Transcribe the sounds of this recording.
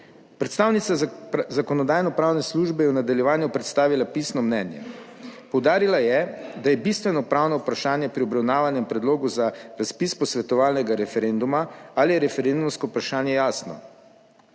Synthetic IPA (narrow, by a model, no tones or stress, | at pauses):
pɾɛt̪st̪aːwnit̪sazakɔnɔd̪aːjnɔpɾaːwnɛsluʒbɛjɛwnad̪aljɛʋaːnjupɾɛt̪st̪aːʋilapisnɔmnɛːnjɛ̰ | pɔwd̪aːɾilajɛd̪ajɛbist̪ʋɛnɔpɾaːwnɔupɾaʃaːnjɛpɾiɔbɾawnaːʋanjɛmpɾɛd̪loːɡuzaɾaspispɔsʋɛt̪ɔʋaːlnɛɡaɾɛfɛɾend̪umaalijɛɾɛfɛɾend̪umskɔupɾaʃaːnjɛjaːsnɔ̰